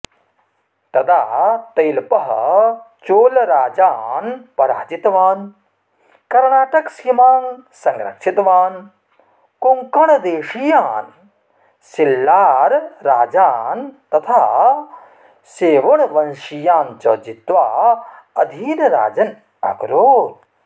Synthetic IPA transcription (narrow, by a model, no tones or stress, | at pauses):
t̪ɐd̪aːt̪ɐjlpɐɦɐ | t͡ʃoːlɾaːd͡ʒaːnpɐɾa̰ːd͡ʒit̪ʋaːn | kɐɾɳaːʈɐksimaːnsɐŋɡɾɐ̰kʂit̪ʋaːn | koŋkɐɳɐd̪eːʃijaːn | silːaːɾːaːd͡ʒaːnt̪ɐt̪ʰaː | seːʋɐɳʋɐnʃijaːnt͡ʃɐːd͡ʒit̪ʋaː | ɐd̪ʱiːnɾa̰ːd͡ʒɐn | ɐ̰ɡɾoːɾ